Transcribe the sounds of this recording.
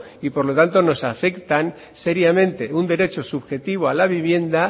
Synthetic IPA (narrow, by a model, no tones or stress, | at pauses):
ipo̞ɾlo̞t̪ant̪o̞no̞safe̞kt̪an | se̞ɾjamẽ̞nt̪e̞und̪e̞ɾe̞t͡ʃo̞suβxe̞t̪iβ̞oalaβ̞iβ̞je̞nd̪a